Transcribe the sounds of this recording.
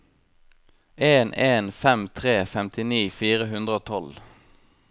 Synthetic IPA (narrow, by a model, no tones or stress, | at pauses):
eːnʔeːnfɛmt̪ʰʁeːfɛmt̪ʰɪniːfiːʁəɦʉnd̪ʁəoːt̪ʰɔl